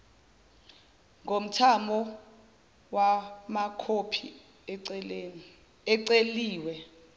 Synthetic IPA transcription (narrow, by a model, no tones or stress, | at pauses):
ŋɡom̩tʰamɔ | wamakʰopʰi | ɛǀeliːwɛ